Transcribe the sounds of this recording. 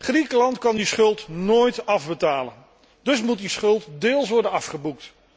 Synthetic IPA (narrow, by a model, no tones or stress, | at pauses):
χrikəlɑntkɑndisχɵlˠtnoːjtɑvbətaːlə̰n | dɵsmut̚disχɵlˠtdɪːlˠs̬ʋɔɹdənɑfχəbuk̚t